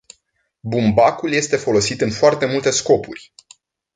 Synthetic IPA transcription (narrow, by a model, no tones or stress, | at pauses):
bumbakulje̞st̪e̞fo̞lo̞sit̪ɨnfoart̪e̞mult̪e̞sko̞purʲ